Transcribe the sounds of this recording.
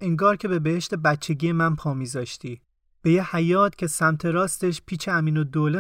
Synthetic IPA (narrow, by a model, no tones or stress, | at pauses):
eŋɡɒːɾcʰe̞be̞beheʃt̪e̞bæt̪t͡ʃʰːe̞ɟijemænpʰɒːmiːzɒːʃt̪iː | b̥e̞jehæjɒːt̪cʰe̞sæmt̪ʰe̞ɾɒːst̪e̞ʃpʰiːt͡ʃʰeæmiːnod̪oːle